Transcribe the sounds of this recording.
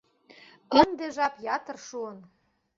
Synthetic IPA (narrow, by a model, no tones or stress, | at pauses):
ə̆nd̪eʒɑpjɑt̪ə̆rʃuən